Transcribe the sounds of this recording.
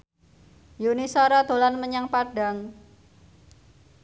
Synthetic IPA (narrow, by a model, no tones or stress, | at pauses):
junisɔɾad̪̥o̤lanməɲaŋpaɖ̥aŋ